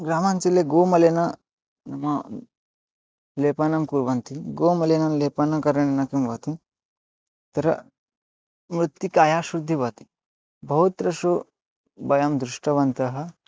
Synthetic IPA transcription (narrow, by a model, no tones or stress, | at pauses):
ɡɾaːmant͡ʃileɡoːmɐlenɐ | nɐmɐ | leːpanɐmkuɾʋɐnt̪iɡoːmɐlenɐleːpɐnɐkɐɾɐnnɐkimʋɐt̪i | t̪ɐɾɐ̰ | mɾut̪jikaːjaːʃɾud̪ʱːiʋɐt̪i̥ | bʱɐɦut̪ɾɐsu | bɐjɐmd̪ɾuʂʈɐʋɐnt̪ɐɦɐ